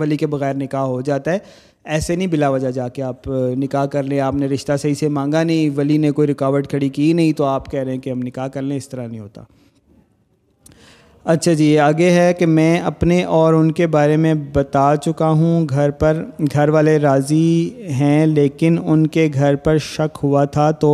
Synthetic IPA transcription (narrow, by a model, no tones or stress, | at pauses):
ʋɐlikebɐɣɛːɾnɪkaɦɦod͡ʒaːt̪aɦɛː | ɛːsenɐɦĩbɪlaʋɐd͡ʒad͡ʒaːkeaːpnɪkaːɦkɐɾlẽaːpneɾɪʃt̪asɐɦisemãːŋ̆ɡanɐɦĩʋɐlinekoːiɾɪkaːʋəɾʈkʰɐɽikinɐɦĩt̪oaːpkɛɦɾɛɦɛ̃keɦɐmnɪkaːɦkɐɾlẽɪst̪ɐɾanɐɦĩɦoːt̪a̰ː | ɐtːʃʰad͡ʒiːaːɡeɦɛkemɛ̃ːɐpneʔɔːɾʊnkebaːɾemẽbɐt̪aːt͡ʃʊkaɦũɡʱɐɾpɐɾɡʱɐɾʋaːleɾaːziɦɛ̃leːkɪnʊnkeɡʱɐɾpɐɾʃɐkɦʊat̪ʰat̪oː